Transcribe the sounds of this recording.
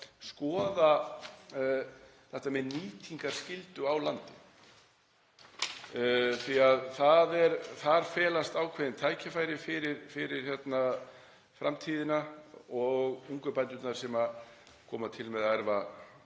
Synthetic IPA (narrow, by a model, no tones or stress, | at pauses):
skɔːða | θɛht̪amɛðniːt̪ʰiŋkaɾ̥scɪlt̪ʏawlant̪ɪ | θiaðθaðɛɾθaɾ̥fɛːlast̪aːwkʰvɛðɪnt̪ʰaːjcʰafaːjɾɪfɪɾɪɾfɪɾɪɾ̥çjɛt̪na | fɾa̰mt̪ʰiːðɪnaɔɣuŋkʏpant̪ʏt̪naɾ̥sɛma | kʰɔːmat̪ʰɪlmɛðaðɛɾva